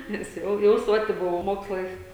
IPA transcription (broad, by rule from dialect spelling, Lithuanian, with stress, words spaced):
nʲɛs ˈjɛʊ jɛʊ ˈsoːtʲɪ ˈbʊʋɐʊ ˈmoːkslˠɐɪs